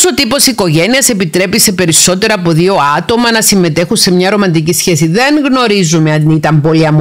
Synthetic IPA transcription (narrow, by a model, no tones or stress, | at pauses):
sot̪ipo̞siko̞ʝe̞niɐse̞pit̪ɾe̞pise̞pe̞ɾiso̞t̪e̞ɾɐːpo̞ðio̞ɐt̪o̞mɐnɐsimːe̞t̪e̞xunse̞mɲɐɾo̞mɐnd̪icisçe̞siðe̞ŋɣno̞ɾizumeɐit̪ɐmboliɐmu